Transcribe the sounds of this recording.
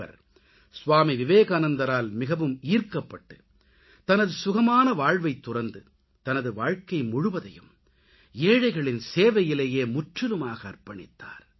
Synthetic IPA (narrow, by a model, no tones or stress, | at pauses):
ɐ̰ɾ | sʊʋaːmiʋɪʋeːɣaːnɐnd̪ɐɾaːlmɪɣɐʋɯmiːrkɐpːɐʈːɯ | t̪ɐnɐðɯsʊɣɐmaːnɐʋaːɻʋɐɪt̪ːʊrɐnd̪ɯ | t̪ɐnɐðɯʋaːɻkɐɪmʊɻʊʋɐðɐjɯ̰m | eːɻɐɪɣɐɭɪnseːʋɐjɪleːjeːmʊʈrɪlɯmaːɣɐːrpɐɳɪ̰t̪ːa̰ːɾ